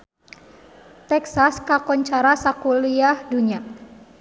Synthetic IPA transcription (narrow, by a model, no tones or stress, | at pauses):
t̪ɛksaskakɔɲt͡ʃaɾasakuliahduɲa